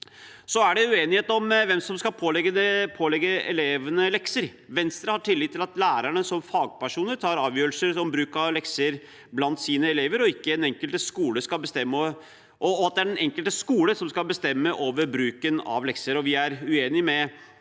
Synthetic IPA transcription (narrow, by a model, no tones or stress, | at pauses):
sɔæɖɛʉeːnɪheːt̪ɔmʋɛmsɔmskɑpʰoːlɛɡːənəpʰoːlɛɡːəɛ̰leːʋənəlɛksəɾ | ʋɛnst̪ɾəhɑʈʰɪlːɪːt̪ːɪlɑt̪læːɾæɳəsɔmfɑːɡ̚pæʂuːnəɾt̪ʰɑːɾɑːʋjøːɾlsəɾɔmbɾʉːkɑʋlɛksəɾ | blɑnt̪siːnəɛleːʋəɾɔɪkːəɛnɛŋkəlt̪əskuːləskɑlbəst̪ɛmːəɔ | ʔɔːɑt̪̚d̪ɛæɖɛnɛŋkəlt̪əskuːləsɔmskɑlbəst̪ɛmːəʔoːʋəɾbɾʉːkənɑ̰ʋlɛksəɾɔʋɪæɾʉeːnɪmɛ